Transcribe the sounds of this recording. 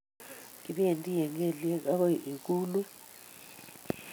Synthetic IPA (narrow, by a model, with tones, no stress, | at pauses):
i˨ɓɛ˦e˨ntʼi˦jɛ˨ŋɡɛ˨li˦ɛ˦k̬a˦kɔ˦˨ʔi˨k̬ʼuː˦lu˦